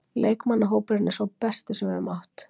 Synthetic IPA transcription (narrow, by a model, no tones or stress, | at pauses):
lʔeːjkmanːaɦoːwpɪɾnɛ̥svawpɛst̪ʏsɛmɛɾʏmaht̪